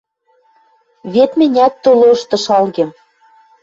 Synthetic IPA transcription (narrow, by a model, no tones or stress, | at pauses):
βet̪mɘ̆nʲæt̪ːoloɤʃt̪ɤ̆ʃɑlɣĕm